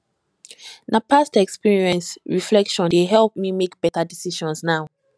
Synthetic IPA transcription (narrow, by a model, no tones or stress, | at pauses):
napastɛkspiɹiɛ̃nsɹiflɛkʃɔ̃ndeɦɛlˠp̚mimekb̥ɛtadisiʃɔ̃nsnaʊ